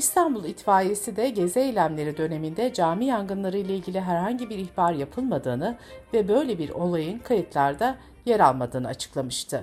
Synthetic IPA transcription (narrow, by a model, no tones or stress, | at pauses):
ist̪ʰanbulˠit̪faːjesid̪ɛɟe̞zeejlʲæmlʲe̞ɾid̪ø̞ne̞mind̪ɛd͡ʒaːmijaŋɡɯnlˠaɾɯjlˠailʲɟʲilʲiɦæɾɦaɲɟibiɾiçbaɾjapʰɯlˠmad̪ɯːnɯvɛbø̞jlʲebiɾo̞lˠajɯnkʰajɯt̪ʰlˠaɾd̪a | jeɾalˠmad̪ɯːnɯat͡ʃʰɯ̥klˠamɯʃt̪ʰɯ